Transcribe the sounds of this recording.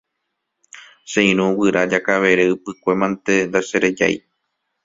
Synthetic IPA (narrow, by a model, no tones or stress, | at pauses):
ʃẽĩɾ̃ũwɨɾad͡ʒakaʋe̞ɾeɨpɨkʷe̞mãnt̪e̞nd̪aʃeɾe̞d͡ʒa̰j